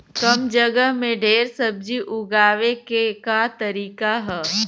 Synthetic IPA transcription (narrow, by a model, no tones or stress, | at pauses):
kɐmd͡ʒəɡəɦmẽɖʱeːɾsɐb̚d͡ʒiʔʊɡaːʋekekat̪ɐɾiːkaɦɛː